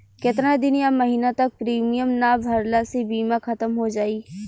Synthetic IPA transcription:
kɪt̪ɾad̪ɪnjamɐɦiːnat̪ɐk̚pɾiːmijəmnabʱɐɾlasebiːmãkʰɐt̪əmɦod͡ʒaːiː

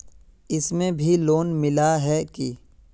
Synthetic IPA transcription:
ɪsmẽbʱiloːnmɪlaɦɛki

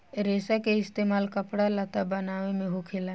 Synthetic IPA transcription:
ɾeːsakeɪst̪eːmaːlkəpɽalɐt̪abɐnaːʋemẽɦʊkʰela

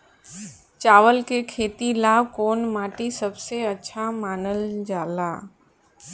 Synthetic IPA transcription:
t͡ʃaːʋəlkekʰeːt̪ilaːwkoːnmaːʈisɐbseɐtːʃʰamaːnəld͡ʒaːlaː

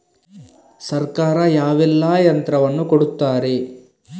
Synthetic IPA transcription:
sɐɾkaːɾɐjaːʋɛlːaːjɐnt̪ɾɐʋɐnːukoɽut̪ːaːɾe̞

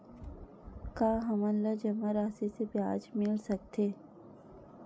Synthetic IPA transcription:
kaːɦɐmə̃nlad͡ʒɐmaɾaːsesepjaːd͡ʒmɪlsɐk̚t̪ʰeː

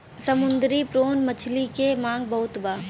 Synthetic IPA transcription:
səmʊnd̪ɾipɾoːnmət͡ʃʰlikemãːŋɡbɐɦʊt̪baː

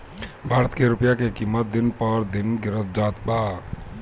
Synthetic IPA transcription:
bʱaːɾət̪keɾʊpjakekimːət̪̚d̪ɪnpəɾd̪ɪnɡɪɾət̪̚d͡ʒaːt̪baː

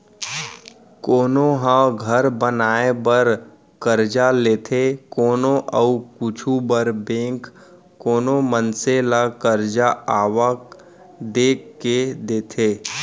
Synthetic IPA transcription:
koːnoɦãɡʱəɾbənaːebəɾ | kəɾd͡ʒaleːt̪ʰekoːnõʔəukʊt͡ʃʰubəɾbẽːŋk | kːoːnomənselakəɾd͡ʒaaːʋak | d̪eːkːed̪eːt̪ʰeː

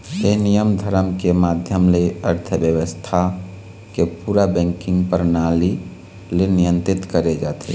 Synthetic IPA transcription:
enijəmd̪ʱəɾəmkemad̪ʱjəmleəɾt̪ʰəbjəwəst̪ʰa | kepuɾabɛ̃ŋkĩŋɡpəɾnali | lenijə̃nt̪ɾit̪kəɾed͡ʒat̪ḭ

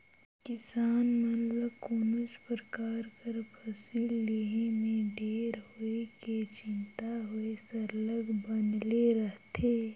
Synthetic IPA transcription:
kɪsaːnmət̪ləbkoːnʊspɾəkaːɾkəɾpʰɐsiːlːeːɦẽmẽɖeːɾɦoeket͡ʃɪ̃nt̪aɦoesɐɾləɡbənleɾəɦt̪ʰeː

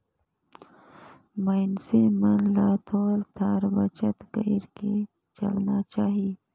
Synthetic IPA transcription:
mɐɪnsemənlaːt̪ʰoːɾt̪ʰaːɾbɐt͡ʃət̪ɡəiɾke | t͡ʃɐ̰lnat͡ʃaːɦi

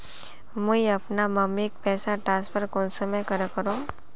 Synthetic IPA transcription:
muiɐpnamɐmik̚pɛːsaʈɾãːspʰəɾkɔːnsəmekɐɾəkəɾoː

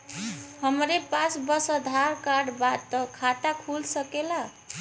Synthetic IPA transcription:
həmɾepasbəsəd̪ʱaɾkaɖbat̪ːəkʰat̪akʰulsəkela

